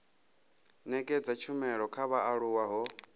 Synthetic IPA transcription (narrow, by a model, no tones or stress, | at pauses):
nɛkʼɛd͡zat͡ʃʰumɛɺɔkʰaβaʔaɺuwaɦɔ